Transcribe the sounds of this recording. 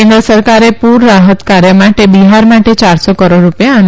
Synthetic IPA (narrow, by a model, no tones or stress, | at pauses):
end̪ɾəsəɾkaɾepuɾːaɦət̪kaɾjəmaʈebiɦaɾmaʈet͡ʃaɾsɔkəɾoɖɾupjaːn